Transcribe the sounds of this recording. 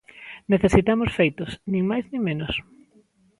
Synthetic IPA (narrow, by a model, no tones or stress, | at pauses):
neθesit̪amosfejt̪ʊsnĩŋmajznĩŋmẽnos